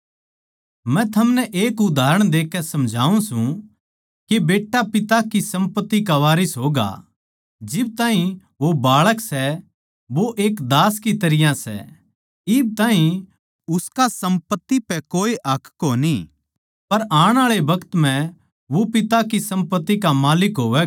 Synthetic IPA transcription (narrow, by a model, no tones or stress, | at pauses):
mɛ̃t̪ʰɐmnɛʔeːkʊd̪ʱaːɾəɽ̃d̪eːkːɛsɐmd͡ʒʱa̰ːũsũ | kebeːʈːapɪt̪akisɐ̃mpət̪ːik̬aʋaːɾisɦoːɡa̰ | d͡ʒɪb̚t̪ãːɦĩ | ʋobaːɭəksɛ | ʋoʔeːkd̪aːskit̪ɐɾɪjãsɛ̰ | ɪb̚t̪ãːɦĩ | ʊskasɐ̃mpət̪ːipɛkoːiʔɐkʰkoni | pɐɾaːɽ̃aːɭebɐkət̪m̤ɛ̃ | ʋopɪt̪akisɐ̃mpət̪ːikamaːlɪkɦoːʋɛ